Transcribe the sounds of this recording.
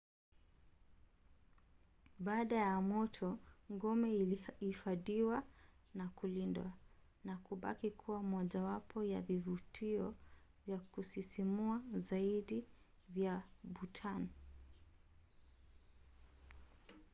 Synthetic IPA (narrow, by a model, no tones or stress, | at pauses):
ɓaːɗajamɔtʰɔŋɡɔmɛifaɗiwa | nakulindwa̰ | nakuɓa̰kikʰuwamɔʄawapʰɔjavivutiɔ | vjakusisimuazaiɗi | vjaɓutʰan